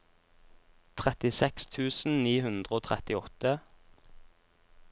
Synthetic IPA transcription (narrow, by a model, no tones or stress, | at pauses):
t̪ʰʁɛt̪ɪsɛkst̪ʰʉːsn̩niːhʉnd̪ʁəoːt̪ʰʁɛt̪ɪɔt̪ə